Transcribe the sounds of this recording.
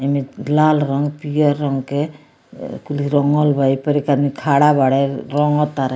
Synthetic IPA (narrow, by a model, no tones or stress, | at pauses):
emilalɾɔŋɡpijɔɾːɔŋɡke | kuliɾɔŋɔlbʱajpɔɾikad̪mikʰaɽabaɽeɾɔŋɔt̪aɾ